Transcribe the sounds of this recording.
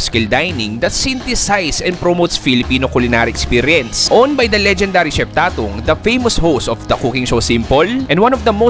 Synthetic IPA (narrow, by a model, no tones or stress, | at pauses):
skɪld̪ajnɪ̃ŋd̪ɐt̪sɪ̃nt̪ɪsajsɛ̃n̚pɾomowt̪sfilɪpiːnokʊlɪnaɾiʔɛkspiɾjɛ̃nsʔonbɐjd̪ɐlɛd͡ʒɛnd̪aɾiʃɛp̚t̪aːt̪ʊ̰ŋd̪ɐfejmɔshostɔfd̪ɐkukɪ̃ŋsosɪ̃mpɔlʔɛ̃nwɐ̃nɔvd̪ɐmo